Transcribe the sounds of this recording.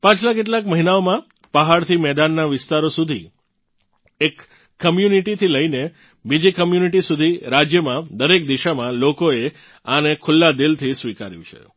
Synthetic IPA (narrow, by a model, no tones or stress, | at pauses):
pãt͡ʃʰlak̬eʈ̬lakməɦinaomã | pəɦaɭt̪ʰimɛd̪anːaʋɪst̪aɾosud̪ʱḭ | ekː | əmjuniʈit̪ʰiləine | bid͡ʒikəmjuniʈisud̪ʱiɾad͡ʒjəmãd̪əɾek̚d̪iʃamãlokoe | anekʰʊlːad̪ilt̪ʰisʋikaɾjṵ̃t͡ʃʰḛ